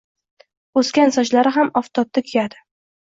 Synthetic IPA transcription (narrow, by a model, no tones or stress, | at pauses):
ɵskʲansɒt͡ʃlaɾɪɦamɒft̪ʰɒp̚t̪akʲʰijad̪ɪ